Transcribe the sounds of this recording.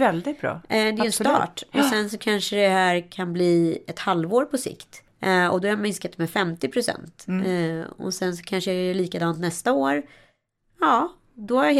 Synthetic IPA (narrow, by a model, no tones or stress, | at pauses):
ɛld̪ɪt̪̚bɾɑ̰ːd̪ɛjʉɛnsɑ̰ːʈɔsɛnsɔkʰanʂəd̪ɛhæːɾkʰanbliːɛt̪halvoːɾpʰɔsɪ̰kt̪ | ɔ̰d̪ɔhaamɪnskat̪mɛfɛmt̪ɪpʰɾʊsɛ̰nt̪ː | ɔ̰sɛns̬ɔ̥kʰanʂəɛɛliːkad̪ɑːnt̪nɛst̪aoːɾ | ɑː | d̪ɔhaɾj